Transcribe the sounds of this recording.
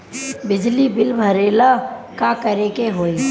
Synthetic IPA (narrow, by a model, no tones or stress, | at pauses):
bɪd͡ʒlibɪlbʱəɾeːlakakəɾekeɦoːi